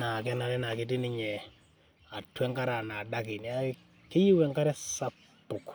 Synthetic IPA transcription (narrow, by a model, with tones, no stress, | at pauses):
na˨kɛ˦na˨lɛ˦na˨kɪ˦tɪ˦nɪ˦ɲɛ˨ | a˨twɛ˦ŋka˦ɾa˨na˨da˦ki˨n˨a˦ | kɪ˦ji˦wɛ˨ŋka˦ɾɛ˦sa˦ | pːʊ˨k